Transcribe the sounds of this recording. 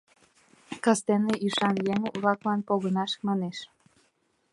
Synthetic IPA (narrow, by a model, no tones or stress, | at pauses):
kɑst̪eneyʃɑnjeŋβlɑklɑnpoɣənɑʃmɑneʃ